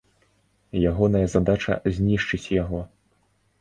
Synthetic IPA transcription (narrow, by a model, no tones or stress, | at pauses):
jaɣɔnɐjɐzad̪at͡ʂɐ̰zʲnʲiʂt͡ʂɨt͡sʲjaɣɔ